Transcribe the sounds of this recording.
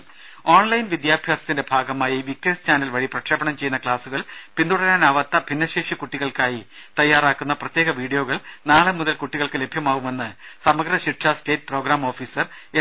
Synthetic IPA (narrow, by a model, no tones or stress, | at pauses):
o̞ːɳlɐjnʋid̪jaːbʱjaːsɐ̥t̪ːinde̞bʱaːɡɐmaːjiʋikːɐnst͡ɕʰaːnɐlʋɐɻiprɐkʂɐːbɐɳɐmt͡ɕe̞junːɐkɭaːsuɣɐɭpind̪uɽɐɾaːnɐʋɐt̪ːɐbʱinːɐɕeːʂikuʈːiɣɐɭkaːjit̪ɐjːaːraːkːunːɐprɐt̪je̞ːɣɐʋiːɽijo̞ːɣɐɭnaːɭɨmuðɐlkuʈːiɣɐɭkɨle̞bʱjɐmaːʋume̞nːɨsɐmɐɡɾɐɕiʈʂɐste̞ːt̚ːpro̞ːɡɾaːmo̞ːfiːsɐr | e